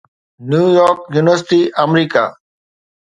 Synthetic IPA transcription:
njuːjɔːɾkjuːnɪʋəɾsɪʈiːʔəmɾiːka̰ː

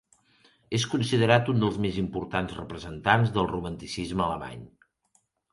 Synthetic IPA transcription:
eskunsiðəɾat̪und̪əlˠzmezimpuɾt̪anzrəpɾəzənt̪anzðəlˠrumənt̪isizməələma̰ɲ

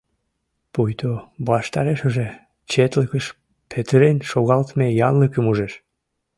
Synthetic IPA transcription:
pujt̪oβɑʃt̪ɑɾeʃəʒe | t͡ɕet̪ləkəʃ | pʰet̪əɾenʃoɣɑlt̪mejɑnləkəmuʒeʃ

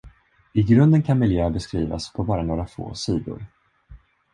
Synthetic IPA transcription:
ɪɡɾɵnd̪ənkʰanmɪljøːbɛskɾiːva̰spʰɔbɑːɾanoːɾafo̰ːsiːd̪ʊ̰ɾ

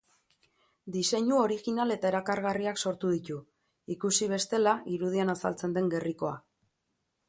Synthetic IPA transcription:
d̪ise̞ɲuo̞ɾiɣinale̞t̪aeɾakaɾɣariakso̞ɾt̪uð̞it̪u | ikusiβ̞e̞st̪e̞laʔiɾuðianasa̰lt͡se̞nd̪e̞ŋɡe̞riko̞a̰

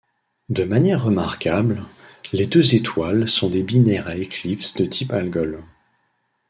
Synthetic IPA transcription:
d̪əmanjɛʁːəmaʁkablled̪øzet̪walsɔ̃d̪ebinɛʁaeklipsd̪ət̪ʰipalɡɔl

